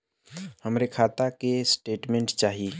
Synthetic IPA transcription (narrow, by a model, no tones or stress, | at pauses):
həmɾekʰaːt̪akesʈeːʈmẽɳʈt͡ʃaːɦi